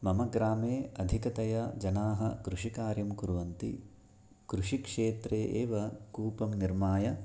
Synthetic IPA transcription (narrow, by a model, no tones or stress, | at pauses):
mɐmɐɡɾaːmeːɐd̪ʱikɐt̪ɐjɐd͡ʒɐnaːɦɐ̰kɾuʂikaːɾjɐmkuɾʋɐnt̪ḭ | kɾuʂikʂeːt̪ɾeːʔeːʋɐkuːpɐmniɾmaːjɐ